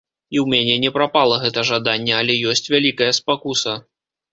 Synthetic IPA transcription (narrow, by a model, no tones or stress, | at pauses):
iwmʲɛnʲɛnʲɛpɾapalˠɐɣɛt̪ɐʐad̪anʲːɛɐlʲɛjɔsʲt͡sʲvʲalʲikɐjɐspakusɐ